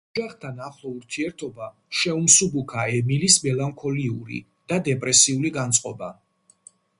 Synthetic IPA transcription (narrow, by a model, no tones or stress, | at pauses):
d͡ʒaχt̪ʰanaχlˠɔuɾt̪ʰiɛɾt̪ʰɔba | ʃɛumsubukʰaɛmilismɛlˠaŋkʰɔliuɾḭ | d̪̥ad̪ɛpʼɾɛsiuliɡant̪sʼqʼɔba